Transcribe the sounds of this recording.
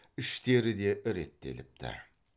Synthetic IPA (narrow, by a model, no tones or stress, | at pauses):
ɪʃt̪e̞ɾɪd̪e̞ʔɾe̞̰t̪ːe̞̰lɪp̚t̪ʰɪ̰